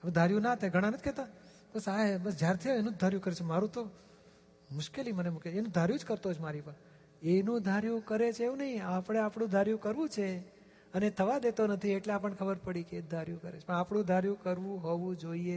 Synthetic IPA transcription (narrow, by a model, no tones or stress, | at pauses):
aʋed̪ʱaɾjũnat̪ʰaɡʱəɽ̃anət̪kʰɛt̪a | bəsabəsd͡ʒjaɾt̪ʰioenũd͡ʒd̪ʱaɾjũkəɾet͡ʃʰemaɾũt̪o | mʊʃkelimənemukjeenũd̪ʱaɾjũd͡ʒkəɾt̪ot͡ʃʰmaɾipə | enũd̪ʱaɾjũkəɾet͡ʃʰeʋũnəɦĩapəɽ̃eapɽũd̪ʱaɾjũkəɾʋũt͡ʃʰe | ənet̪ʰəʋad̪et̪onət̪ʰieʈleapəɳkʰəbəɾpəɽikeːd̪ʱaɾjũkəɾḛt͡ʃʰpəɳapɽũd̪ʱaɾjũkəɾʋũɦoʋũd͡ʒoie